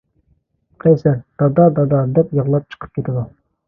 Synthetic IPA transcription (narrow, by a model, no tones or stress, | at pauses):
qʰɛjsæɾd̪̥ɑd̪ɑd̪ɑd̪ɑd̪ɛpjəʁlˠɑp̚t͡ʃʰə̥qʰə̥p̚kʲʰet̪ɪd̪u